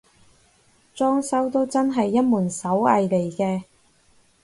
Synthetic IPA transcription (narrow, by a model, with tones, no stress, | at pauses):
t͡ʃɔː˥ŋsɐ˥wt̪o˥wt͡sɐ˥nɦɐ˨jːɐ˥t̚muː˨˩nsɐ˨˥wɐ̰˧jle˨˩jkɛː˧